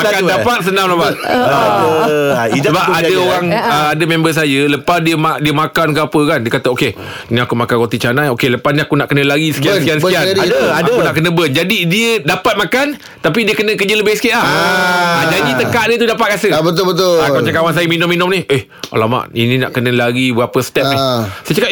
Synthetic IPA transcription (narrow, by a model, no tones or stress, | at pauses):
makanndanpat̪̚sənãŋlapat̪̚ | səbap̚adəoɾaŋəadəmẽmbəs̬ajələpasdiəmadiəmakankəapəkandiəkat̪aoke | inĩakumakanɾot̪it͡ʃanajokeləpanĩakunaʔkənə̃laɡisə̥kiansəkiansəkianadadaakunaʔkənə̃bənd͡ʒadidiədapat̪̚makan | t̪apidiəkənə̃kəd͡ʒələbɪhsə̥kila | ad͡ʒadit̪əkaʔdiət̪udapat̪̚kasəbət̪olbət̪ʊamaat͡ʃaŋkawans̬ajəminuminʊmnihʔeh | a̰lama̰ʔḭnĩna̰ʔkənə̃laɡibəɣapəsə̥t̪ɛp̚nisət͡ʃaka